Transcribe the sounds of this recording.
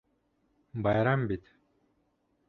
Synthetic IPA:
bɑjɾambit̪

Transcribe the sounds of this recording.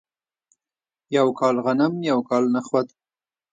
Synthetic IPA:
jawkɑlɣanamjawkɑlnaxwad̪

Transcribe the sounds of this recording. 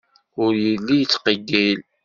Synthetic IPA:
ʊɾjəlːijət͡sːqəɡːil

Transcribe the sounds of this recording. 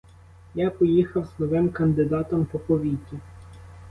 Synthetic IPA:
japɔjixɐwznɔʋɪmkɐnd̪ɪd̪ɑt̪ɔmpɔpɔʋʲitʲːi

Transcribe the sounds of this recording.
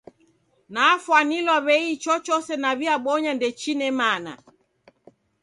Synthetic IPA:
naːfwanilwaβɛit͡ʃɔt͡ʃɔsɛnaβiaɓɔɲandɛt͡ʃinɛmana̰

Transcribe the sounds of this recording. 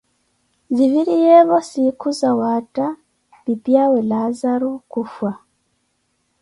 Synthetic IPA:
ziβiɾijeβosikuzawaːta | βipjawelazaɾukufwa

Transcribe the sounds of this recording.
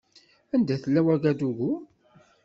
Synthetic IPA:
ænd̪æθəlːæwæɡæd̪uʝu

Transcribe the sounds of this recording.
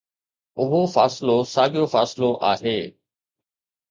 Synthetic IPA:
ʊɦofaːsɪlosaːɠijofaːsɪloʔaːɦeː

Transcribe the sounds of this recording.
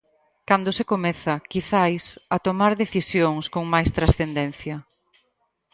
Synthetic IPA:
kand̪osekomɛθɐkiθajsɐt̪omaɾðeθisjoŋskoŋmajst̪ɾasθend̪ɛn̟θjɐ

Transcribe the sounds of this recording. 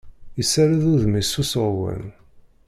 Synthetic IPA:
əsːaɾaðuðmisusəɾˤwə̰n

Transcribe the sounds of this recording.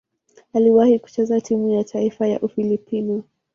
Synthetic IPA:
aliwahiku̥t͡ʃɛzatʰimujatʰaifaja̰ʔufilipinɔ

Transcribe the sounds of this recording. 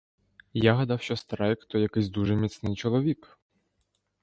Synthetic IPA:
jaɦɐd̪awʃɔst̪ɾajɛkt̪ɔjɐkɪzʲd̪uʐɛmʲit̪snɪjt͡ʃɔlˠɔʋʲik

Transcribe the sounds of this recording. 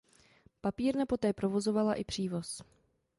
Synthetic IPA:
papiːɾnapo̞t̪ɛːpɾo̞vo̞zo̞valaʔɪpr̥iːvo̞s

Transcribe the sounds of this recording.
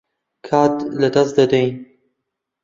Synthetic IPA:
kʰaːt̪lɐd̪ɐsd̪ɐd̪ɐjn

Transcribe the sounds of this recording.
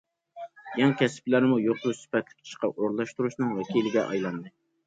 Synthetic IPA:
jɑŋkʲʰɛsplæɾɪmujoqɾusy̥pɛt̪lɪ̥kʲʰi̥ʃqɑʔoɾlˠɑʃt̪uɾuʃnɨŋwɛkʲilɪɡʲɛ̰ʔɑ̰jlˠɑnd̪ɨ

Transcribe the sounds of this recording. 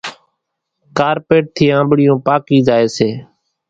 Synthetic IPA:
kaːɾpeːʈ̚t̪ʰiːãːmbɽɪjõːpaːkiːd͡ʒaːeːseː

